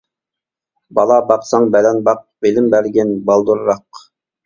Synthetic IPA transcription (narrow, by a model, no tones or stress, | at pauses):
bɑlˠɑbɑqsɑŋbɛlɛnbɑq̚belɪmbæɾɡʲɛnbɑlˠd̪uɾɾɑq